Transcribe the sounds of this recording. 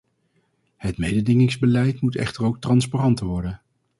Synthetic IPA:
hətmejdədɪŋɪŋzbəlɛjtmutɛ̰χtərowk̚trɑnsparɑntəʋɔɹdən

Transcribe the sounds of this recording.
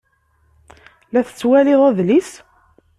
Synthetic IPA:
læθə̥t͡sːwælɪðˤæðlis

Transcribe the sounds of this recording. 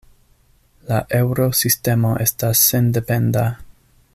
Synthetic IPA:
laʔe̞wɾo̞siste̞mo̞ʔe̞stasːe̞nde̞pe̞nda

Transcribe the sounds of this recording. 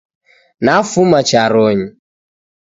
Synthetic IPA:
nafumat͡ʃaɾɔɲi

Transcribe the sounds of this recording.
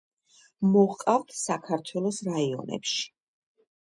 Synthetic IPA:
mɔʁqʼaft̪ʰsakʰaɾt̪ʰwɛlˠɔsɾaiɔ̰nɛ̰pʃi̥

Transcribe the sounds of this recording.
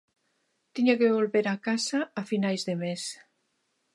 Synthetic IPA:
t̪iɲakeβolβeɾakasaːfinajzðemes

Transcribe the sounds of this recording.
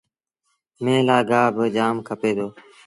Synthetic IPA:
mẽːlaːɡaːbəd͡ʒaːmkʰəpeːd̪oː

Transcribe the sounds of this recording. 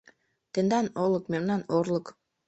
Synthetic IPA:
t̪end̪ɑnolˠukmemnanoɾlˠuk

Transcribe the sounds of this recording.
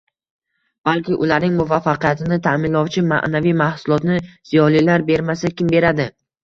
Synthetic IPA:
b̥alkʲɪʔʊlaɾnɪŋmʊvafːaqijat̪ʰɪnɪt̪ʰamɪnlɒwt͡ʃʰɪma̰ʔnavijmahsʊlˠɒt̪nɪz̥ijɒlilaɾbe̞ɾmasakʲɪmbe̞ɾad̪ɪ

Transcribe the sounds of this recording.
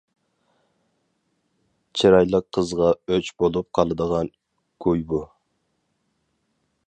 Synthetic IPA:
t͡ʃʰiɾɑjlˠəqʰːəzʁɑøt͡ʃbolˠup̚qʰɑlˠɨd̪əʁɑn | kʰujbu

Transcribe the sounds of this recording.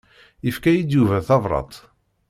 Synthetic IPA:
jəfkæjid̪juvæθɑvɾˤɑ̰t̪ˤ

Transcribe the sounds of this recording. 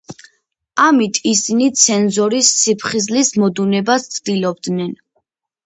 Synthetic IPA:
amit̪ʰisinit̪sʰɛnzɔɾisːipʰχizlismɔd̪unɛbast̪sʰd̪ilɔbd̪nɛn

